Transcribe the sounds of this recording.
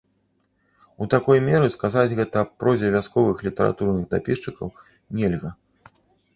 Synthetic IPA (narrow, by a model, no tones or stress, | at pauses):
ut̪akɔjmʲɛɾɨskazad͡zʲɣɛt̪ɐpɾɔzʲɛvʲaskɔvɨxlʲit̪ɐɾa̰t̪urnɨɣd̪apʲiʂt͡ʂɨkɐw | nʲɛlʲɣɐ